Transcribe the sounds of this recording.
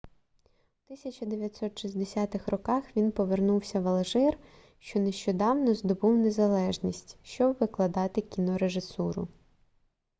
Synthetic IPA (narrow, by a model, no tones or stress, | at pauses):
wt̪ɪsʲɐt͡ʃɐd̪eʋʲjɐt̪ʲsɔt̪ʃizʲd̪esʲɑt̪ɪxrɔkɑxʋʲinpɔʋernuwsʲɐʋɐlˠɐʒɪr | ʃt͡ʃɔneʃt͡ʃɔd̪ɑwnɔzd̪ɔbuwne̞zɐlˠɛʒnʲisʲtʲʃt͡ʃɔbʋɪklˠɐd̪ɑt̪ɪkʲinɔɾeʒɪsuɾʊ̰